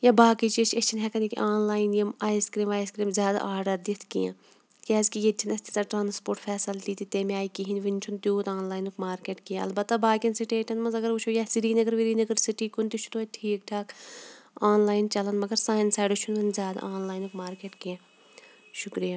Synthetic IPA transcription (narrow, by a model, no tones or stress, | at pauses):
jabaːkit͡ʃiet͡ʃʰɐt͡ʃʰinɦɛkɐnikḭʔaːnlaːjinjɐmaːjskɾiːmaːjskɾiːmzʲjaːd̪a̰ʔaːɖɐd̪it̪ʰkḭjã̰ː | kʲɛːzkijet͡ʃʰinɐst̪izaːʈɾãːnspoːɾʈfʰɛːsɐlt̪iːt̪it̪eːmẽaːikiɦinʋint͡ʃʰunt̪juːt̪aːnlaːjnukmaːɾkeːʈkijãɐ̰lbɐt̪ːabaːkʲɐnsiʈeːʈʰɐnmɐnzɐɡɐɾut͡ʃʰoːjasiɾiːnɐɡɐɾʋiɾiːnɐɡɐɾsiʈiːkunt̪it͡ʃʰu̥t̪oɐʈʰiːk̚ʈʰaːk | aːnlaːjint͡ʃɐlɐnmɐɡɐɾsaːjnsaːɖot͡ʃʰunɐnzʲjaːd̪a̰aːnlaːjnukmaːɾkeːʈkijãː | ʃʊkɾijaː